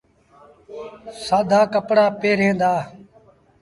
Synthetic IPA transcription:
saːd̪ʱaːkəpɽaːpeːɾɦẽːnd̪aː

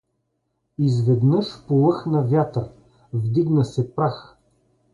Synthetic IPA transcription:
izvɛd̪nəʃpolˠɤxnɐvʲjat̪əɾ | vd̪iɡnəsɛpɾax

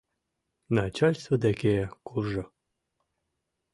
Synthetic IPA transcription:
nat͡ɕalʲst̪vəd̪ækʲejkurʒɤ̆

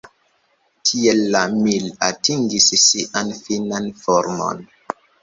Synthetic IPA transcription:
tʰielːamilatiŋɡissiʔanfinanfɔɾmo̰n

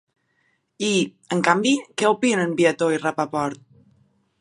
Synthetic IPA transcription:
i | əŋkambikɛopinənbiat̪ojrapapɔɾt̪̚

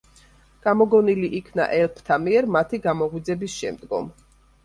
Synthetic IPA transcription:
ɡ̥amɔɡɔniliʔikʰna̰ʔɛlˠpʰt̪ʰamiɛɾmat̪ʰiɡamɔʁwid̪zɛbisʃɛ̰md̪ɡɔ̰m

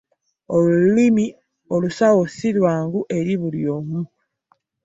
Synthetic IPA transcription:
olulimi | olusawosilwaːŋɡuʔe̞ɾiβuljoːmu

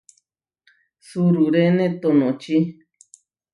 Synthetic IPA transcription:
suɾuɾenẽt̪onõt͡ʃi

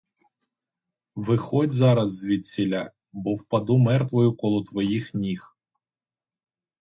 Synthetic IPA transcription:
ʋɪxɔdʲzɑɾɐzːʋʲid̪̚ʲsʲilʲa | bɔwpɐd̪umɛrt̪ʋɔjʊkɔlˠɔt̪ʋɔjixnʲix

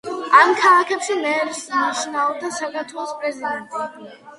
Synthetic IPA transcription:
amkʰalˠakʰɛpʃɛmɛːɾsmaʃnaɔd̪asakʰaɾt̪ʰwɛlˠɔspʼɾɛzid̪ɛnt̪ʼ

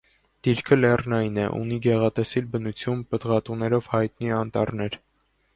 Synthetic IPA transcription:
d̪̥iɾkʰəlɛrnɑjinɛʔṵniɡɛʁɑt̪ɛsilbənut͡sʰjunpəd̪ʁɑt̪unɛɾɔvhɑjt̪niɑnt̪ɑ̰rnɛɾ

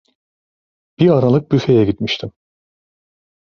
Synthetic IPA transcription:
b̥iaɾalˠɯk̚byfejɛɡit̪miʃt̪ʰim

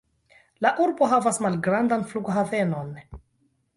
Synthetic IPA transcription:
laʔuɾbo̞ɦavasmalɡɾandanfluɡoɦave̞no̞n

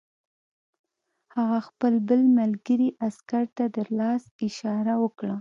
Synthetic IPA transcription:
haɣaxpəlbəlmalɡəɾiʔaskaɾt̪ad̪əlɑsɪʃɑɾawəkɽa

